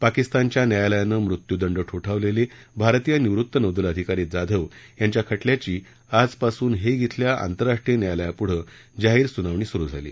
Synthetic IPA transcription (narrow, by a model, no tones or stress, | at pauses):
pakist̪ant͡ɕjanjajaləjanəːmɾut̪jud̪əɳɖəʈʰoʈʰaʋlele | bʱaɾt̪ijəniʋɾut̪ːənəd̪ələd̪ʱikaɾiːd͡zad̪ʱəʋjaɲt͡ɕjakʰəʈljat͡ɕiː | ad͡zpasuːnɦeɡʱit̪ʰljaʔa̰nt̪əɾaʂʈɾijənjajaləjapuɽ̤əː | d͡ʑaɦiːɾsunaʋɳ̃iːsuɾuːd͡zʱa̰lḭː